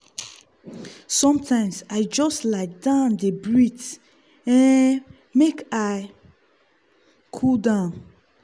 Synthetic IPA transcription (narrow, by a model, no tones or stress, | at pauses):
sɔ̃mtʰãɪ̃msaɪd͡ʒɔstlaɪdãʊ̃ndəbɹit | ɛ̃ | mekaɪ | kʰudãʊ̃n